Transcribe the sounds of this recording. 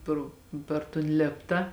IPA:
ˈproː pʲɛr toːn ˈlʲeːptɐ

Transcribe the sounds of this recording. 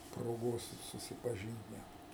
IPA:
proːˈɡoːs sʊsʲɪpɐˈʒʲiːnt ˈnʲæt

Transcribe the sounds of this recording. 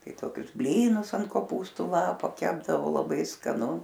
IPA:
ˈtɐɪ ˈtoːkʲʊs ˈbʲlʲiːnʊs ɐnt koːˈpuːstʊ ˈlˠɑːpoː ˈkʲæːbdɐʋoː lˠɐˈbɐɪ skɐˈnʊ

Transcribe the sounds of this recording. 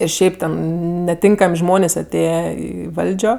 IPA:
ɪr ˈʃʲɛɪp tʲɛn nʲɛˈtʲɪŋkɐmʲ ˈʒmoːnʲeːsʲ ɐˈtʲeːjɛ ɪ ˈʋɐlʲd͡ʒʲoː

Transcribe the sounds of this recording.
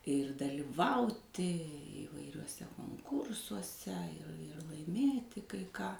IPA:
ɪr dɐlʲɪˈʋɐʊtʲɪ iːʋɐɪrʲuɔˈsʲɛ koːŋˈkʊrsuɔsʲɛ ɪ ɪr lˠɐɪˈmʲeːtʲɪ kɐɪ ˈkɑː

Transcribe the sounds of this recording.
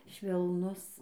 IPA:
ʃʲʋʲɛlˠˈnʊs

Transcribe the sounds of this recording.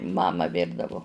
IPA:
ˈmɑːmɐ ˈʋʲɪrdɐʋʊ

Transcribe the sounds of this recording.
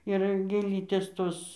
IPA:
ɪr ɡʲeːˈlʲiːtʲeːs ˈtoːs

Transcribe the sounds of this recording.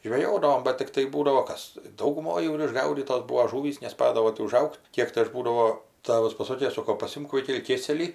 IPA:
ʒʲʋʲɛˈjoːdɐʋoːm bɐt tʲɪkˈtɐɪ ˈbuːdɐʋoː ˈkɐs dɐʊɡʊˈmoːj jɛʊ ɪr ɪʒˈɡɐʊdʲiːtoːs ˈbuːʋoː ˈʒuːʋʲiːs nʲɛˈspɑːdɐʋoː tʲɪ ʊˈʒɐʊkʲtʲ ˈkʲiɛk tɐɪ ˈɐʃ ˈbuːdɐʋoː ˈtɑːʋɐs pɐˈsoːkʲeː ˈsoːkoː pɐˈsʲɪmk ˈʋɐɪkʲɛlʲɪ ˈkʲeːsʲɛlʲiː

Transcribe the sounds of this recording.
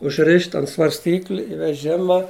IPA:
ʊʒʲˈrʲɪʃʲtʲ ɐnt sʋɐrʲsʲˈtʲiːklʲɪ ɪ ʋʲɛˈʒʲɪmɐ

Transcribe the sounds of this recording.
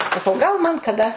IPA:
sɐˈkɐʊ ɡɐlˠ mɐn kɐˈdɐ

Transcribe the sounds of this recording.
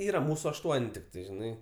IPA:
ˈiːrɐ ˈmuːsʊ ɐʃˈtuɔnʲ tʲɪkˈtɐɪ ʒʲɪˈnɐɪ

